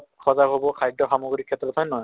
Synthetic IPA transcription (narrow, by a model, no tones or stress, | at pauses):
kʰɔzaɦobɔkʰajdɔxamoɡɹikʰːɛtːɹɔthɔjnɔɦɔj